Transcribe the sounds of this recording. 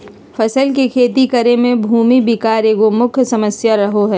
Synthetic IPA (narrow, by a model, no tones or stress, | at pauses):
fʰɐsəlkekʰeːt̪ikɐɾemẽbʱuːmibɪkaːɾeːɡomʊkʰsɐməsjaɾɐɦoɦɛː